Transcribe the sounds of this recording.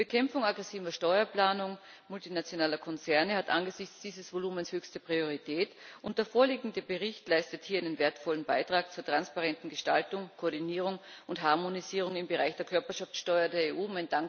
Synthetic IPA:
b̥əkʰɛmfʊŋaɡʁɛsiːvɐʃtɔʏɐplaːnʊŋ | mʊltinat͡sjonaːlɐkʰɔnt͡sɛɐnəhatʔa̰nɡəzɪçt͡sd̥iːzəsvoluːmənshøːçstəpʁ̥ioʁ̞itʰɛːtʔʊntd̥eːɐfoːɐliːɡŋ̩dəbəʁɪçtlaɪstəthiːaɪnənveːɐtfɔlənba̰ɪtʁ̥aːk̚t͡suːɐtʁ̥anspaʁɛntn̩ɡəʃta̰ltʊŋkʰoːɐdiniːʁ̞ʊŋʊnthaɐmoniziːʁ̞ʊŋɪmbəʁaɪçd̥eːɐkʰœɐpɐʃaft͡sʃtɔʏɐdeːɐeːʔuːmaɪndaŋk

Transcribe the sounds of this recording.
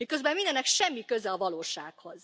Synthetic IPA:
mikøzbɛmmind̪ɛnːɛkʃɛmːikøzɛɒvɒloːʃa̰ːkhoz

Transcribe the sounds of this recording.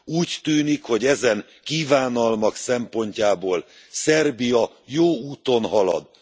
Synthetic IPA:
uːct̪yːnikho̞ɟɛzɛŋ | kivaːnɒlmɒksɛmpo̞ɲcaːboːl | sɛrbijɒ | joːuːt̪o̞nɦɒlɒ̰d̪

